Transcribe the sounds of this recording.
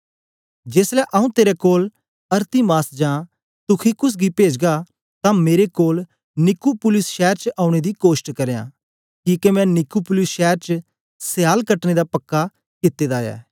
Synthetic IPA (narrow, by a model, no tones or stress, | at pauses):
d͡ʒeːslɛʔɐũt̪eːɾɛkoːl | ɐɾt̪imaːsd͡ʒãː | t̪ʊkʰikʊs̬ɡipeːd͡ʒɡa | t̪ãmeːɾekoːl | nɪkupʊlɪsʃɛːɾt͡ʃʔaːʊ̃ɽ̃ed̪ikoːsʈkɐɾejã̰ː | kiːkemɛ̃nɪkupʊlɪsʃɛːɾt͡ʃ | sɪjaːlkɐʈned̪apɐkːa | kɪt̪ːed̪aːjɛ̰ː